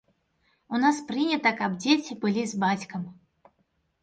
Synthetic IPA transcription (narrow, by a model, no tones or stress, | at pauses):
unaspɾɨnʲɐt̪ɐkɐbd͡zʲet͡sʲibɨlʲizbat͡sʲkɐm